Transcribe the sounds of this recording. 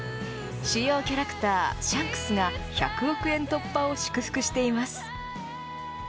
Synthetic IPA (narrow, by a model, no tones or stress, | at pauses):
ɕijo̞ːkʲaɾakɯ̟̥t̪aːɕãŋkɯ̥sɨɡaça̰kɯ̟o̞kɯ̟ẽ̞nt̪o̞pːao̞ɕɨ̥kɯ̟ɸɯ̟̥kɯ̟ɕi̥t̪e̞imasɨ̥